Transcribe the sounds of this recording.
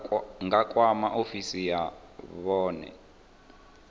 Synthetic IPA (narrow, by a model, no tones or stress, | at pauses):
ŋɡakʼwamaʔofisija | βɔːnɛ̰